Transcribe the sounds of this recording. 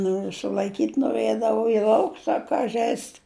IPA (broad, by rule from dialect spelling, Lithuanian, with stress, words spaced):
ˈnoːrʲʊ sʊlˠɐɪˈkʲiːtʲ noːˈrɘdɐʋʊ ɪ ˈlˠɐʊks ɐ ˈkɐ ˈʒʲɛɪst